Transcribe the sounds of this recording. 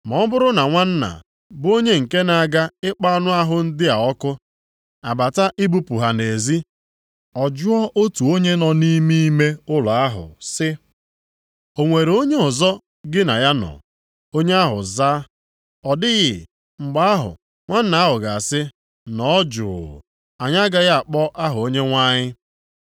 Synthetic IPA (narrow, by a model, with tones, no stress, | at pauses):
mɔ˨˦bʊ˦ɾʊ˦na˨ŋʷa˦n̩˦na̰˨ | bʊ˦o˦ɲe˦ŋ̩˨ke˦na˨a˨ɡa˦ɪ˦k͡pa˦nʊ˦a˦ɦʊ˨n̩˦dɪ˦a˨ɔ˦kʊ˦ | a˨ba˨ta˦ʔɪ˦bu˦pu˨ɦa˨ne˨zi˦ | ɔ˨d͡ʒʊ˦ɔ˦ʔo˦tu˨o˦ɲe˦nɔ˨ni˦mi˦me˦ʊ˦la˨a˦ɦʊ̰˨sɪ˦ | o˨ŋʷe˨ɾo˦ɲe˦ɔ˨zɔ˦ | ɡɪ˦na˨ja˦nɔ̰˨ | o˦ɲe˦a˦ɦʊ̰˨zaː˦ | ɔ˨dɪ˦ɣɪ˨ | ŋ͡m̩˨ɡ͡ba˦a˦ɦʊ̰˨ | ŋʷa˦n̩˦na˨a˦ɦʊ˨ɡa˨sɪ˦ | nɔ˨˦d͡ʒʊ̰ː˨ | a˨ɲa˦ɡa˦ɣa˦a˨k͡pɔ˦ʔa˦ɦʊ˨o˦ɲe˦ŋʷa˦ɲɪ˦